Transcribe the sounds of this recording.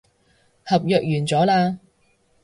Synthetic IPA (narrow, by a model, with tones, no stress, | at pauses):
hɐ˨p̚jœː˨k̚jyː˨˩nt͡sɔː˨˥laː˧